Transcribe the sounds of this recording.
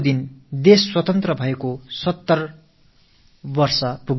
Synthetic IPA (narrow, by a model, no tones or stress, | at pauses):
d̪ind̪esːwʌt̪ʌnt̪rʌbʱʌekosʌt̪ːʌr | bʌrsʌpuɡ